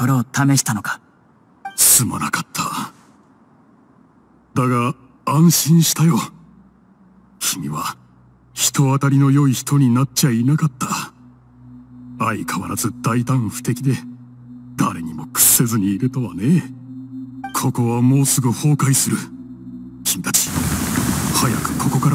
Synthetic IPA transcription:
so̞ɾe̞ot̪ame̞ɕi̥t̪ano̞kḁ | ssɨma̰nakḁt̪ʰːa | d̪aɡa | ãɰ̃ɕĩɰ̃ɕi̥t̪ajo̞ | kʲimʲiβa | çi̥t̪o̞at̪aɾʲino̞jo̞içi̥t̪o̞ɲ̟inat̚t͡ɕainakat̪ːa | aikʰaβaɾazɨd̪̥ait̪ãɰ̃ɸɯ̥t̪e̞kʲid̪e̞ | d̪aɾe̞ɲ̟imo̞kɯ̟̥se̞zɨɲ̟iːɾɯ̟t̪o̞βane̞ | kʰo̞ko̞βamo̞ːsɨɡɯ̟ho̞ːkaisɨɾɯ̟ | çʲimʲit̪at͡ɕi̥ | haja̰kɯ̟̥kʰo̞ko̞kaɾa

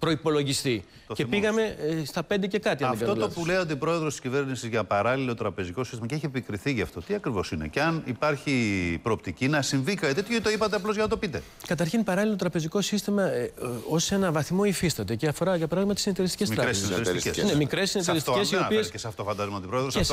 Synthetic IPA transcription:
pɾo̞ipo̞lo̞ʝist̪i | t̪oce̞piɣɐme̞st̪ɐpe̞nd̪ece̞kɐt̪iɐnɐfkɐt̪olt̪opuleo̞t̪̬ipɾo̞e̞ðɾost̪i̥scive̞ɾnisizʝɐpɐɾɐlilo̞t̪ɾɐpe̞ziko̞sist̪imɐceeçiepikɾiθiʝɐft̪o̞t̪iɐkɾivo̞sinḛceɐnipɐɾçipɾoːp̚t̪icinɐsiɱvikɐɐt̪et̪çoit̪oipɐt̪̬eɐplozɣʝɐnɐt̪o̞pit̪e̞̰ | kɐt̪ɐɾçinpɐɾɐlilo̞t̪ɾɐpe̞ziko̞sist̪imɐo̞se̞nɐvɐθimo̞ifist̪ɐt̪e̞ceɐfo̞ɾɐʝɐpɾɐðimɐt̪isinɐt̪eɾist̪icesmiɾɐɾesinɐt̪eɾssenemikɾe̞sːinɐtseɾist̪ocssiopieskesɐft̪o̞fɐnd̪ɐzmɐot̪ipɾoðɾoses

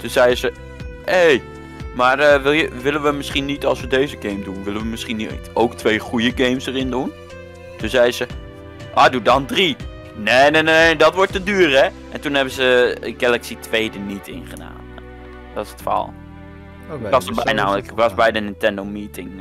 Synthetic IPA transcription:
tunzɛjəzə | hej | maːrəʋɪlˠjəʋɪlənʋəmɪsχinːitɑlˠsʋədejzəɡejmdunʋɪləʋəmɪsχintowktʋejχujəɡejmsərɪndun | tunzɛjzə | ʔaːdudɑndri | nenenenedɑtʋɔɹtədyːrɛʔɛntunɦɛbəzəəɡɛlɛksitʋejdənitɪ̰nχəda̰ːn | dɔɪsə̥tfa̰lˠ | ɑsəbɛjnawɪkʋɑsbɛjdənɪntɛndoʊmiːtɪŋ

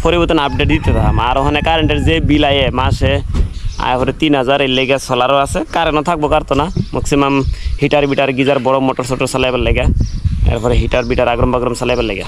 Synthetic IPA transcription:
pʰɔɾibɔt̪ɔnap̚ɖeʈ̚d̪it̪eɾaɦamaɾɔɦɔnɛkaɾeɳʈeɾzebilajemasea̰jpʰɔɾɛt̪inɦɔzaɾeleɡasɔlaɾɔasekaɾɛnɔt̪ʰak̚bɔkaɾt̪ɔnamɔksimamhiʈaɾbiʈaɾɡizaɾbɔɽɔmɔʈɔɾsɔʈɔɾsalajbalaɡaɛ̰ɾpʰɔɾɛɦiʈaɾbiʈaɾaɡɾɔmbaɡɾɔmsalajbalajɡa

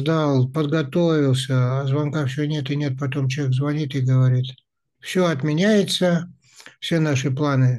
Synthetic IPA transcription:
zd̪alˠpəd̪ɡɐt̪ovʲɪlˠsʲəazvɐnkafsʲonʲet̪ɨnʲet̪̚pɐt̪o̞mt͡ɕekzvɐnʲit̪ɨɡəvɐɾʲit̪ | fsʲoɐt̪mʲɪnʲæjɪt̪sə | fsʲe̞naʂɨplˠanɨ

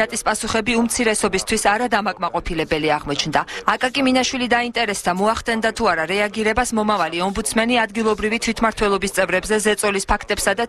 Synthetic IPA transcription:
at̪ʼispʼasuχɛbiumt̪sʰiɾɛsɔbist̪ʰwisaɾad̪amakʼmaqʼɔpʰilɛbɛliaʁmɔt͡ʃʰnd̪aakʼakʼiminaʃwilid̪aint̪ʼɛɾɛsd̪amɔaχt̪ɛnd̪at̪ʰuaɾaɾɛaɡiɾɛbasmɔmavaliɔmbut̪sʰmɛniad̪ɡilˠɔbɾivit̪ʰwit̪ʰmaɾt̪ʰwɛlˠɔbist̪sʼɛvɾɛbzɛzɛt̪sʼɔlispʰakʰt̪ʼɛpsad̪a

